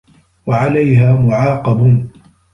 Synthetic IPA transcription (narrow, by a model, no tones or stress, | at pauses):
waʕalajɦaːmʊʕɑːqɑb